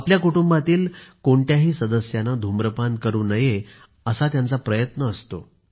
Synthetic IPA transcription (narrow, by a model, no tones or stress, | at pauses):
apljakuʈumbat̪iːlkoɳʈjaɦiːsəd̪əsjanad̪ʱumɾəpan̚kəɾuːnəje | əsat̪jant͡sapɾəjət̪nəːst̪o̰